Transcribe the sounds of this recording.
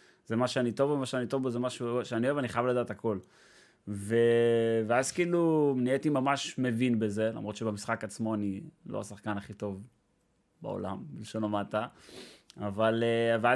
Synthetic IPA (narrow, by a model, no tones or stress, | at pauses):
z̥emaʃeanit̪o̞vemaʃeanit̪o̞vbozemaʃuʃeanioeaniχajavlad̪aːt̪ako̞l | veveazkiiːluniet̪imamaʃme̞vinbe̞ze̞la̰mʁotʃebemisχakat͡smo̞anilo̰ha̰saχkanaχit̪o̞v | ba̰o̰la̰mbelʃonomat̪a | avalevea